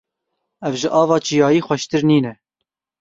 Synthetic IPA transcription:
ɛvʒɪʔɑːvɑːt͡ʃijɑːjiːxʷɛʃt̪ɨɾniːnɛ

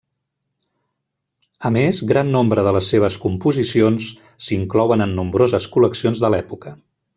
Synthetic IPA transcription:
əmezɣɾanːombɾəðələsːeβ̞əskumpuzisionsː | iŋklɔwənənːumbɾozəskuləksionzðəlɛpukə

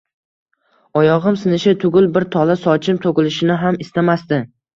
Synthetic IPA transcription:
ɒjɒʁɨmsɪnɪʃɪt̪ʰʊɡʲʊlˠbɪɾt̪ʰɒlasɒt͡ʃʰɪmt̪ʰokʲɪlɪʃɪnɪɦamɪst̪amast̪ɪ

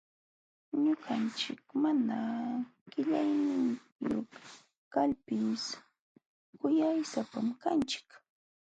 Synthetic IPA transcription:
ɲʊɢant͡ʃɪkmanaɢ̥ɪʎajnɪn | jo̰χ | kalpɪs | kʊjajsapamkant͡ʃɪ̥k

